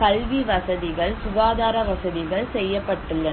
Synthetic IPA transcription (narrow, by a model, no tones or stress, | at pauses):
kɐlʋiʋɐsɐðɪɣɐɭsʊʋaːðaːɾɐʋɐsɐðɪɣɐɭsɛjːɐpːɐʈːɯɭːɐ